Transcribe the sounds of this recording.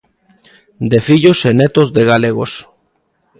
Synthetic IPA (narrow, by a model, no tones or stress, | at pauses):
d̪efiʎosenet̪ozðeɣaleɣos